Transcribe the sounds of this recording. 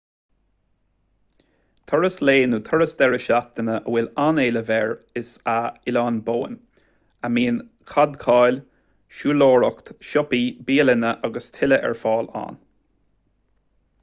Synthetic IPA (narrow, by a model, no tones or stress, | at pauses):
t̪ʰɔɹəsleːnuːt̪ʰɔɹəsd̪ɛɹəʃat̪̚ənəʔəwɪlaneːləvɛːɹɪsaɪlɑːnboːən | əmiːn | kʰad̪kʰɑːlʲ | ʃuːloːɹɔkt̪ʃɔpibiːəlɪnəʔaɡəst̪ʰɪləʔɛ̰ɹfɑːla̰n